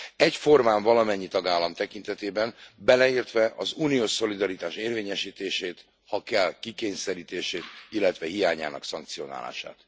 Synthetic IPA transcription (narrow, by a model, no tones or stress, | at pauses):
ɛcfo̞rmaːɱvɒlɒmɛɲːit̪ɒɡaːlːɒmt̪ɛkint̪ɛt̪eːbɛnbɛlɛiːrt̪ʋɛʔɒzuːnioːʃso̞lid̪ɒɾit̪aːʃeːrveːɲɛʃiːt̪eːʃeːt̪ | hɒkɛlkikeːɲsɛɾiːt̪eːʃeːt̪ilːɛt̪ʋɛɦijaːɲa̰ːnɒ̰ksɒŋk̚t̪sijo̞na̰ːla̰ːʃa̰ːt̪